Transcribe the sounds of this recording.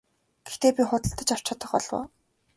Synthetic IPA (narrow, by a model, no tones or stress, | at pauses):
ɡ̥e̥xt̪eːpʲiχʊt̪ə̆ɬt̪ə̆t͡ɕaw̥t͡ɕɔːt̪ə̆χpɔ̰ɮwʊ̰ː